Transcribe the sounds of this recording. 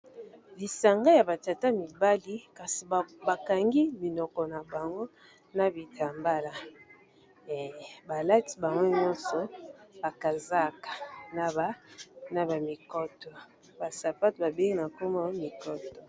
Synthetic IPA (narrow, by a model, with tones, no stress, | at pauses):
li˨sa˨ŋɡa˦ja˨ba˨ta˨ta˦mi˨ba˦li˦ka˨si˨ba˨ka˨ŋɡi˦mi˨nɔ˨kɔ˨na˨ba˨ŋɡo˦ | na˨bi˨tʰa˨mba˦la˨ | ba˨la˦ti̥˨ba˨ŋɡo˦ɲɔ˦nsɔ˨ba˨ka˨za˦kḁ˨na˨a˨na˨ba˨mi˨kɔ˦tɔ˨ | ba˨sa˨pa˦tba˨be˦ŋi˦na˨ko˦ma˦mi˨kɔ˦tɔ˨